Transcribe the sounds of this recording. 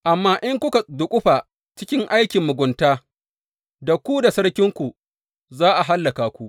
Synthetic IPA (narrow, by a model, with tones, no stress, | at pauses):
ʔa˨mːaː˦ʔɪ˦ŋkʷʊ˦ka˨dʊ˨kʷʼʊ˦ɸa˨ | t͡ʃɪ˦kʲɪ˦ŋʔa˦jkʲɪ˨mːʊ˨ɡʷʊ˨ntaː˦ | da˨kʷu˦da˨sɐ˦ɽkʲɪ˦ŋkʷu˨ | zaː˦ʔa˨ɦa˦lːa˨kaː˨kʷu˦ʔ